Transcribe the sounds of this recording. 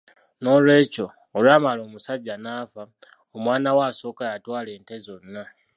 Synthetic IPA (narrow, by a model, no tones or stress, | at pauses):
no̞lwe̞ːco̞ | olwaːmalo̞ːmusaɟanaːfa | omwaːnawaso̞ːkajatwaːle̞ːntezo̞nːa